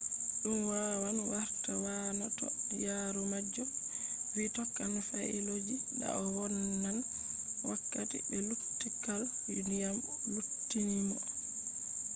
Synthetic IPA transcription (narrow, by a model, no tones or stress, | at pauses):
ɗumwawanwaɾtawanatɔ̰jaɾɔmad͡ʒɔ | witɔkːanfaḭlod͡ʒiɗa̰ɔwɔnːan | wakːatḭbɛlutːikal | nijam | lutːinimɔ